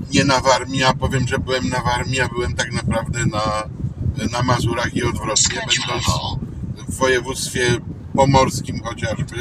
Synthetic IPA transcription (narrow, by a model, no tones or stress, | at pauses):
ɲɛnavaɾmʲijapɔvʲjɛmʐɛbɘwɛmnavaɾmʲijabɘwɛmt̪aɡnapɾavd̪ɛna | namazuɾaxiɔd̪vɾɔt̪kɛbɛnd̪ɔnɔvːɔjɛvut̪st̪fʲjɛ | pɔmɔɾskʲimxɔt͡ɕaʐbɘ